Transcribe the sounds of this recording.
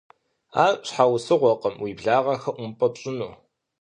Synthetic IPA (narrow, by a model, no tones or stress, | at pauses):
a̰ːɕħawsɨʁʷɔqəmwiːbɮaːʁɐxɐʔʷʊmpʼɐpɕʼɪnuː